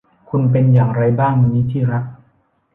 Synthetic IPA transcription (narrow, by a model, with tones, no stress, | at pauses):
kʰu˧np̬e˧njaː˨˩ŋɾa˧jbaː˥˩ŋma˧niː˦˥t̪ʰiː˥˩ɾa˦˥k̚